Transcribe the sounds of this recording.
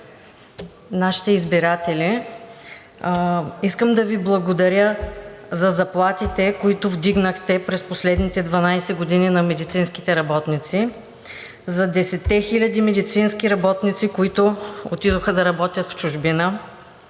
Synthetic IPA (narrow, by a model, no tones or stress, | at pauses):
naʃi̥t̪ɛizbiɾat̪ɛli | iskəmd̪ɐviblˠɐɡod̪ɐɾʲəzɐzɐplˠat̪it̪ɛkoit̪ʊvd̪iɡnəxt̪ɛpɾɛsposlɛd̪nit̪ɛd̪vɐnajsɛɡod̪ininɐmɛd̪it̪sinski̥t̪ɛɾɐbɔt̪nit̪si | zɐd̪ɛsɛt̪ːɛxilʲɐd̪imɛd̪it̪sinskʲiɾɐbɔt̪nit̪sikoit̪ʊot̪id̪oxəd̪ɐɾɐbɔt̪ʲjət̪ft͡ʃʊʒbinə